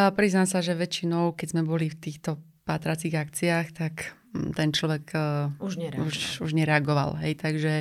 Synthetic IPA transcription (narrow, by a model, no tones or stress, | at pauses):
pɾiznamsaʒɛʋɛt͡ʃinɔʊkɛzmɛbɔlift̪iːxt̪ɔ | paːt̪ɾat͡siːɣakt͡siaːxt̪ak | t̪ɛnt͡ʃlɔʋɛkuʒɲuʃuʒɲɛɾɛaɡɔʋa̰lɦɛjt̪aɡʒɛ